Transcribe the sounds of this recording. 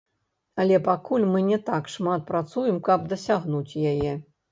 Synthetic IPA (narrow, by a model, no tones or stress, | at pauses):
ɐlʲɛpakulʲmɨnʲɛt̪akʂmat̪̚pɾat̪sujɛmkɐb̚d̪ɐsʲaɣnut͡sʲjajɛ